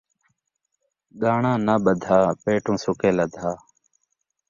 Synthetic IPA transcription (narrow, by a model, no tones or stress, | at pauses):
ɠaːɳãːnaːɓəd̪ʱaːpeːʈũːsʊkeːləd̪ʱaː